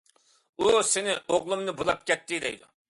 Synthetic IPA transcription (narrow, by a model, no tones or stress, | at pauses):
usɪnɪʔoʁlˠumnɨbolˠɑp̚kʲʰɛt̪ːɪd̪ɛ̰jd̪u